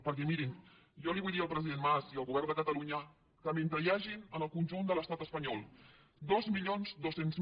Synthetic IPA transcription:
pəɾkɛmiɾin | ʒɔliβujðiəlˠpɾəziðenmaziəlˠɣuβɛɾrnd̪əkət̪əluɲə | kəment̪ɾəjaʒinənəlˠkunʲʒund̪ələst̪at̪əspəɲɔlˠ | d̪ɔzmiʎonzd̪osenz

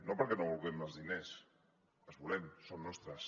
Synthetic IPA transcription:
nopəɾkɛnoβulˠɣɛməlˠzðines | əzβulɛmsonnɔst̪ɾəs

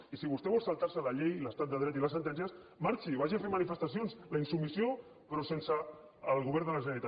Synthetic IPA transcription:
isiβ̞ust̪ɛβɔlˠsalˠt̪aɾsəlaʎejləst̪at̪̚d̪əð̞ɾɛt̪iləs̬ənt̪ɛnʒəs | maɾt͡ʃiβaʒiafemanifəst̪asjonzlainsumisio | pɾɔsensaː | lˠɣuβɛɾnd̪ələʒənalit̪a

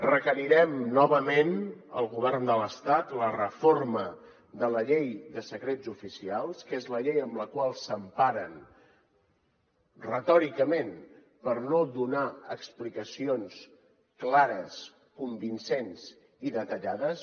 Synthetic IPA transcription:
rəkəɾiɾɛmːɔβəmenə̰lˠɣuβ̞ɛrnd̪ələst̪at̪lərəformə | d̪ələʎejðəsəkɾezufisialˠskezləʎejəmləkwalˠsəmpaɾən | rət̪ɔɾikəmen | pəɾnoðunaəksplikəsions | klaɾəs | kumbinsenz | iðət̪əʎaðəs

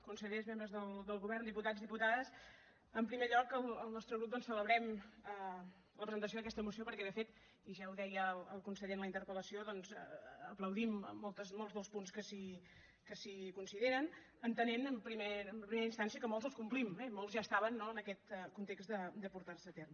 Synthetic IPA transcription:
kunsəʎezmembɾəzðəlˠd̪əlˠɣuβɛrnd̪iput̪azðiput̪aðəs | əmpɾimeʎɔkəlˠəlˠnɔst̪ɾəɣɾup̚d̪ɔnsələβɾɛmə | ləpɾəzənt̪əs̬oðəkɛst̪əmusiopəɾkɛðəfet̪ | iʒauðɛjələlˠkunsəʎenləint̪əɾpələsioðɔnz̰əpləwðim̰ːolˠt̪əzmolˠzðəlˠspunskəsi | kəsikunsiðeɾən | ənt̪əneməmpɾimeəmpɾimeɾəinst̪ansiəkəmolˠzəlˠskumplimɛmolˠzʒast̪aβənːoənəkɛt̪əkunt̪eksd̪əd̪əpuɾt̪arsət̪erm

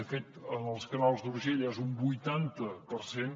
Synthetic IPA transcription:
əfet̪ənəlˠskənalˠzd̪uɾʒeʎezumbujt̪ant̪əpəɾsen

